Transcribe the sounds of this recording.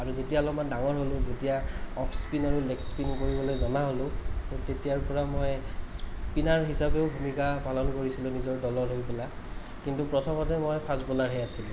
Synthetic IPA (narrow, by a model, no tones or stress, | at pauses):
aɹuzetialɔmandaŋɔɹɦolʊ̃zetijaɔpʰspinaɹulekspinkoɹibɔlojzɔnaɦolʊ̃tetijaɹpɔɹamojspinaɹɦisapeʊbʱumikapalɔnkoɹisilʊ̃nizɔɹdɔlɔɹɦojpela | kintupɹɔtʰɔmɔtɛmojpʰasbɔlaɹɦɛasilʊ̃